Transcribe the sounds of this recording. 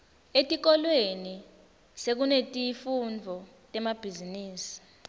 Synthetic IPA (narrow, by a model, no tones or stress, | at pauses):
etʼik̬ɔlweni | sek̬unetʼifund͡vʱɔ | tʼɛmab̥ʱiziniːsi̥